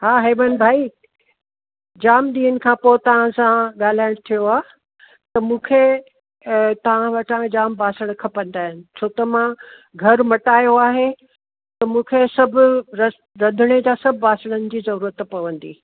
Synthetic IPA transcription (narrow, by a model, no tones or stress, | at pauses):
ɦaːɦeːbənbʱaːi | d͡ʑaːmɗ̪iːənɪ̆kʰãːpoːt̪ɐʋ̤ãsãɠaːl̤aːɪɽ̃t̪ʰijoaː | t̪ɐmũːkʰe | t̪ɐʋ̤ãʋɐʈʰãd͡ʑaːmbaːsəɽ̃kʰɐpɐ̃nd̪aːɦɪnɪ̆t͡ɕʰoːt̪ɐmã | ɡʱɐɾmɐʈaːjoaːɦe | t̪ɐmũːkʰesɐbʱʊ̆ɾɐ | ɾɐd̪ʱɪɽ̃ed͡ʑaːsɐbʱɪːaːsəɽ̃ənɪ̆d͡ʑiːzɐɾuːɾət̪pɐʋə̃nd̪ḭː